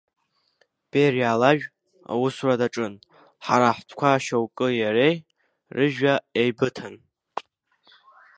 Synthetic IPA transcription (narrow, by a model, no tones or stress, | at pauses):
b̥erjaːlaʒᶣ | a̰wusradaʈ͡ʂʼɨn | ħaɾaħʷtʰkʷʰaːʃawkʼɨjaɾej | rɨʒᶣaejbɨtʰan